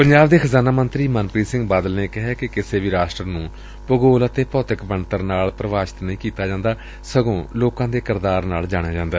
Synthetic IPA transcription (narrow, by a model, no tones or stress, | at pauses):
pəɲd͡ʒaːbd̪eːkʰəzaːnaːmənt̪ɾiːmənpɾiːsɪ̃ŋɡbaːd̪əlneːkɪɦɛːkɪkɪseːʋiːɾaːsʈɾənũː | pəɡoːlət̪eːpɔːt̪əkbəɳt̪əɾnaːlpɾəʋaːʃɪ̥t̪nəĩːkiːt̪aːd͡ʒãːnd̪aː | səɡõːloːkãːd̪eːkɪɾd̪aːɾnaːld͡ʒaːɽ̃eaːd͡ʒãːnd̪aː